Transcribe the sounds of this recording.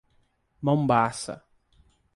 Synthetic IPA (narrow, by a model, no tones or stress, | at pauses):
mɐ̃w̃basɐ̰